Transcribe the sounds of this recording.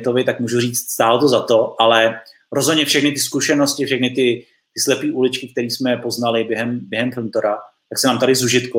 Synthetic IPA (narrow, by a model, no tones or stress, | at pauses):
t̪ovɪt̪akmuːʒuriːt͡st̪st̪aːlot̪ozat̪o̞ʔalɛ | ɾozɦodɲɛfʃɛxnɪt̪ɪskuʃɛno̞scɪfʃɛxnɪt̪ɪ | t̪ɪslɛpiːʔulɪt͡ʃkɪk̚t̪ɛɾiːsmɛpo̞znalɪbjɛɦɛmbjɛɦɛmfɪlnt̪oɾa | t̪aksɛnaːmt̪aɾɪzuʒɪt̪ku